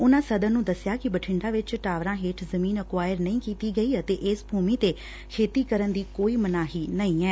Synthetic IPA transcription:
ʊnãːsəd̪ənũːd̪əsjaːkɪbəʈʰɪɳɖaːʋɪt͡ʃʈaːʋɾãːɦeːʈʰzəmĩːnəkʋaːjəɾnəĩːkiːt̪iːɡəiːət̪eːʔɪsbʱuːmiːt̪eː | kʰeːt̪iːkəɾənd̪iːkoːiːmənaːɦiːnəĩːɛː

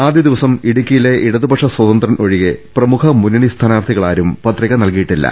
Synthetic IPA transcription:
aːd̪jɐd̪iʋɐsɐmiɽikʲːijileʔiɽɐðubɐʂɐswɐðɐnd̪rɐnʔo̞ɻiɣeprɐmukʰɐmunɐɳist̪ʰaːnaːrt̪ʰiɣɐɭaːɾumpɐt̪ːriɣɐnɐlkijiʈːilːɐ̰

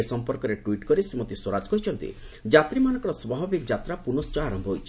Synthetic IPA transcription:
esɔmpɔɾkɔɾeʈwiʈkɔɾisɾimɔt̪iswɔɾad͡ʒkɔɦit͡ʃʰɔnt̪ḭd͡ʒat̪ɾimanɔ̃ŋkɔɾɔsbaɦɔbikd͡ʒat̪ɾapunɔst͡ʃɔaɾɔmbʱɔɦojt͡ʃʰi

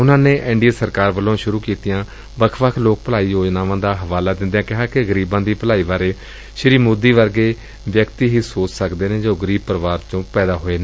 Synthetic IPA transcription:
ʊnãːneːʔɪ̃ɳɖiəsəɾkaːɾʋəlːõːʃʊɾuːkiːt̪ijãː | bəkʰʋəkʰloːk̚pəlaːiːjoːd͡ʒnaːʋãːd̪aːɦəʋaːlaːd̪ɪ̃nd̪jãːkɪɦaːkɪɡəɾiːbãːd̪iːpəlaːiːʋaːɾeː | ʃəɾiːmʊd̪iːʋəɾɡeː | ʋjəkt̪iːɦiːsoːt͡ʃsəkd̪eːneːd͡ʒoːɡəɾiːb̚pəɾəʋaːɾt͡ʃõːpɛːd̪aːɦoːeːnẽː

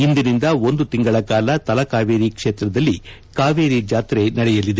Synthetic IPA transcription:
ind̪inind̪ɐo̞nd̪ut̪iŋɡɐɭɐkaːlɐt̪ɐlɐkaːʋeːɾikʂeːt̪ɾɐd̪ɐlːikaːʋeːɾid͡ʒaːt̪ɾenɐɽɛjɐlːid̪e

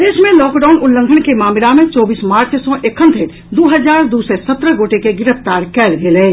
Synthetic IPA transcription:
d̪eːʃmẽlɔːkɖaːʊnʊlːə̃ŋɡʱəɽkemaːmɪlamẽt͡ʃɔːbiːsmaːɾt͡ʃsɔ̃ʔekʰə̃nt̪ʰeʈ | d̪oːɦəzaːɾd̪uːsesət̪ɾəɡoːʈekeɡɪɾəft̪aːɾkɛːlɡelẽː

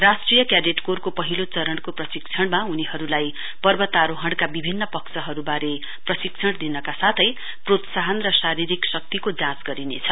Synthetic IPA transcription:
rasʈrijʌkjaɾeʈkorkopʌɦilot͡sʌɾʌɳɽkoprʌsikt͡sʰʌɽmauniɦʌɾulaj | pʌrbʌt̪aɾoɦʌɽkabibʱinːʌpʌksʌɦʌɾubaɾe | prʌsik̚t͡sʰʌɽ̃d̪inʌkasat̪ʰʌj | prot̪saɦʌnrʌsaɾiɾiksʌk̚t̪ikod͡zãt͡sɡʌɾinḛt͡sʰʌ

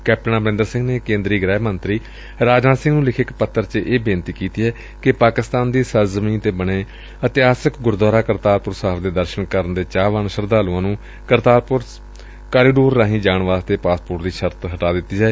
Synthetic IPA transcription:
kɛːp̚ʈənãːbɾɪ̃nd̪əɾsɪ̃ŋɡneːkẽːnd̪ɾiːɡɾɛːmənt̪ɾiː | ɾaːd͡ʒnaːsɪ̃ŋɡnũːlɪkʰɪkpət̪ʰːəɾt͡ʃəʔeːbeːnt̪iːkiːt̪iːɦɛː | kɪpaːkɪst̪aːnd̪iːsəɾzəmĩːnt̪eːbəɽ̃eː | ət̪ɪaːsəkɡʊɾd̪waːɾaːkəɾt̪aːɾpʊɾsaːpʰd̪eːd̪əɾʃənkəɾənd̪eːt͡ʃaːʋənʃəɾd̪aːluãːnũː | kəɾt̪aːɾpʊɾ | kaːɾiːɖoːɾːãːɦĩːd͡ʒaːɳʋaːzt̪eːpaːspʊɾʈd̪iːʃəɾt̪ɦəʈaːd̪ɪt̪ːiːd͡ʒaːeː

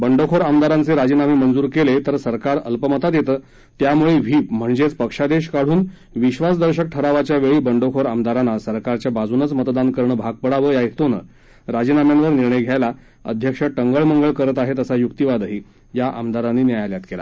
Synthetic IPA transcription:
bəɳɖokʰoɾamd̪aɾant͡seɾad͡ʑinamimənd͡zuːɾkelet̪əɾsəɾkaɾə̰lpəmət̪at̪jet̪əː | t̪jamuɭeʋ̤ʱiːm̤əɳd͡zet͡spəkʂad̪eɕkaɽ̤uːn | ʋiɕʋasd̪əɾɕək̚ʈʰəɾaʋat͡ɕjaʋeɭiːbəɳɖokʰoɾamd̪aɾanːasəɾkaɾt͡ɕjabad͡zunət͡smət̪d̪ankəɾɳəbʱaɡ̚pəɽaʋəːjajet̪onə̰ | ɾad͡ʑinamjanʋəɾniɾɳəjɡʱjajla | ə̰d̪ʱjəkʂəʈəŋɡəɭməŋɡəɭkəɾət̪aɦet̪əsajukt̪iʋad̪əɦiː | jaʔa̰md̪aɾanːiːnjajaljat̪kela̰

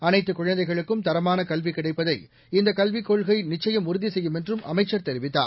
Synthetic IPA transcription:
ɐnɐɪt̪ːɯkʊɻɐnd̪ɐɪɣɐɭɯkːɯmt̪ɐɾɐmaːnɐkɐlʋikːɪɽɐɪpːɐðɐɪ | ɪnd̪ɐkɐlʋɪkːoːɭɣɐɪnɪt͡ʃːɐjɐmʊɾɯðisɛjːɯmɛndrɯmɐ̰mɐɪt͡ʃːɐɾt̪ɛɾɪʋɪt̪ːa̰ː

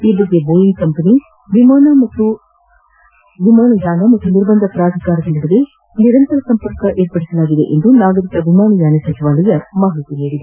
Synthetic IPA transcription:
iːbɐd̪ːeboːjiŋkɐmpɐni | ʋimaːnɐmɐt̪ːu | ʋimaːɳujaːnɐmɐt̪ːuniɾbɐnd̪ʱɐpɾaːd̪ʱɐkaːɾɐd̪ɐnɐɽɐd̪e | niɾɐnt̪ɐɾɐsɐmpɐɾkɐʔeːɾpɐɽisɐlaːɡid̪ḛʔend̪unaːɡɐɾikɐʋimaːɳujaːnɐsɐt͡ʃiʋaːlijɐmaːɦɐɭit̪iniːɽid̪e

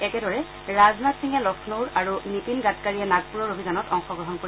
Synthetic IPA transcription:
ɛkɛdɔɹɛ | ɹaznatsiŋɛlɔkʰnoɹaɹunipinɡat̚kaɹijɛnat̚puɹɔɹobʱiɡanɔtɔŋxɔɡɹɔɦɔnkoɹi

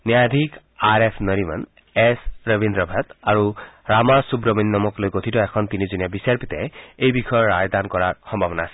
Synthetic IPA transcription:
niad̪ʱik | aɹepʰnɔɾima̰n | esɹəbʱind̪ɹɔbʱat̪aɹuɹamasubɹɔminːɔmɔklojɡot̪ʰitɔɛkʰɔnt̪inizunijabisaɹpit̪ɛejbixʰɔjɔɹajd̪ankɔɹaɹxɔmbʱabɔnaːsɛ̥

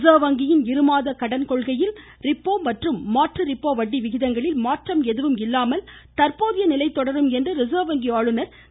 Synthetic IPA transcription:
zɐːʋɐŋɡɪjɪnɪɾɯmaːðɐkɐɽɐnkɔɭɣɐjɪl | rɪpːoːmɐʈrɯmːaːʈrɯɾɪpːoːʋɐɖːiʋɪɣɪðɐŋɡɐɭɪlmaːʈrɐmɛðɯʋɯmɪlːaːmɐl | t̪ɐɾpoːðɪjɐnɪlɐɪt̪ːɔɽɐɾɯmɛndrɐɾɪzaːʋɐŋɡiaːɻɯnɐɾ

